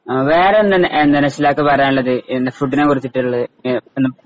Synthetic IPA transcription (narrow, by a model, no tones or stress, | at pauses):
ʋe̞ːɾenːɐnʔend̪ɐnɐsilaːkːepɐrɐjaːniɭːɐðɨʔend̪efruʈːinekorit̪ːiʈːiuɭːɐðenːɨm